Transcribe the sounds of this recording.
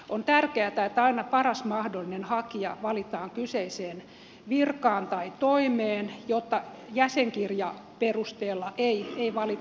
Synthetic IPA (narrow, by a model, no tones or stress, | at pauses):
ont̪ærkeæt̪æet̪ːɑinɑpɑrɑsmɑhdolːˑinenhɑkiɑʋɑlit̪ɑːŋkyseiseːn | ʋirkɑːnt̪ɑit̪oimeːnjot̪ːɑ | jæseŋkirjɑperust̪eːlːɑʔeieiʋɑlit̪